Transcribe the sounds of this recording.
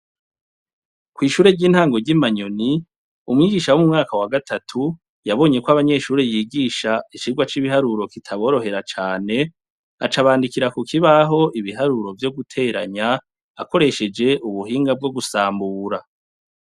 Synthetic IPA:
kwiːʃuːɾe̞ɟiːn̥haːŋɡo̞ɾɟimaɲo̞ni | umŋiːɡiːʃawomumŋaːkawaɡatʰatʰu | jaβo̞ɲe̞kwaβaɲe̞ʃuːɾejiːɡiːʃaiʃiɡwat͡ʃiβiɦaɾuɾo̞kitʰaβo̞ːɾo̞ɦe̞ɾat͡ʃaːne̞ | at͡ʃaβaːndikiɾakukʰiβaɦo̞ʔiβiɦaɾuɾo̞vjo̞ɡutʰe̞ɾaɲaː | ko̞ɾe̞ʃe̞d͡ʒe̞ʔuβuɦiːŋɡab̚ɡo̞ɡusaːmbuːɾa

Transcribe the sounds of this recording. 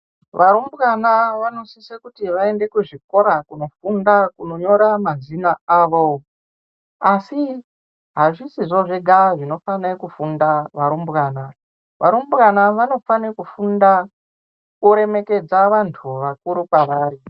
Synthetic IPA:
ʋaɾumbɣanaʋano̞sisekutiʋae̞nde̞kuʐiko̞ɾakuno̞fundakuno̞ɲo̞ɾamazinaaːʋo̞ | asi | ɦaʐisiʐoʐeɡʱaʐino̞fanekufundaʋaɾumbɣaːna | ʋʔa̰ɾumbɣanaʋano̞fanekufunda | kuɾe̞me̞ke̞d͡zaʋantʰuʋakuɾukwaʋaːɾi

